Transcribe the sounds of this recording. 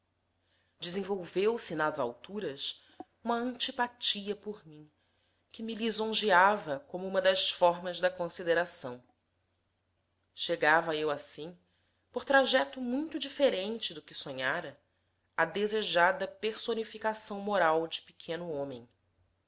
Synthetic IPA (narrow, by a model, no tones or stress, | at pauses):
d͡ʒɪzẽvowvewsinɐzawt̪uɾɐs | ũmɐɐ̃nt͡ʃipat͡ʃiɐpoɾmĩ | kʲɪmilizõʒiavɐkõmʊũmɐd̪ɐsfɔɾmɐzd̪ɐkõsid̪eɾasɐ̰̃w̃ | ʃeɡavɐewasĩ | poɾt̪ɾaʒɛt̪ʊmũj̃t̪ʊd͡ʒifeɾẽnt͡ʃɪd̪ʊkɪsõɲaɾɐ | ɐd̪ezeʒad̪ɐpeɾsonifikasɐ̃w̃moɾawd͡ʒɪ̥pe̥kʰẽnʊõmḛ̃j̃